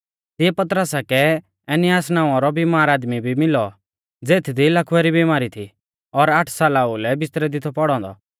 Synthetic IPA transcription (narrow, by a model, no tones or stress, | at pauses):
t̪ɪɛpɐt̪ɾəsakɛ | ɛːniaːsnaːʊãɾɔbimaːɾaːd̪mibʱimɪlɔ | d͡zeːt̪ʰd̪ilaːkʰʊaɾibimaːɾit̪ʰi | ɔɾaʈʰsaːlaulɛbɪst̪ɾɛd̪ɪt̪ʰɔpɔɽɔ̃ːnd̪ɔ̰